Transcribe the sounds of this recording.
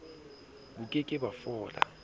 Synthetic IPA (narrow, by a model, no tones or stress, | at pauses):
ɓukʼɛkʼɛɓafɔːla̰